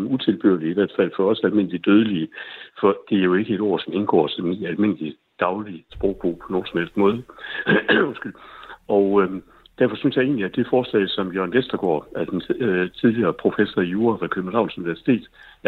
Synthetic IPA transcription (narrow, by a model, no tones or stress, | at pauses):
mut͡sʰe̝lb̥ø̰ɐliiʋæɐd̥fæl̰fɒ̽ɒ̽sælme̝n̰əlid̥øːð̞ˠəliəfɒ̽d̥e̝æɐjo̝e̝ɡ̥əe̝ɾ̥ɒ̰ːsɒ̽me̝nɡ̥ɒ̰ːsɒn̥nælme̝n̰əli | d̥ɑ̈ʊlisb̥ʁɔʊ̥b̥o̝̰ːpʰɒ̽noːnsmel̰d̥mɔ̽ːðˠə | onsɡ̥ylɒ̽ʊ | d̥æɐfɒ̽synsjɑ̈e̝̰ːnliæd̥e̝fɒːslɛ̰ɪsɒ̽mjøɐnʋesd̥ɐɡ̥ɒ̰ːæd̥ent͡sʰið̞ˠliɐːpʰʁo̝fesɐijuːɐfɑ̈kʰøb̥n̩hɑ̈ʊnsuniʋæɐsi̥t͡sʰe̝̰ːd̥